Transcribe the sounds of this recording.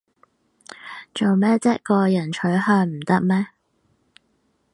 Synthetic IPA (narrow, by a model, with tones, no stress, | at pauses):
t͡so˨wmɛː˥t͡sɛː˥kɔː˧jɐ˨˩nt͡ʃʰɵ˨˥ɥɦœː˧ŋm̩˨˩t̪ɐ˥k̚mɛː˥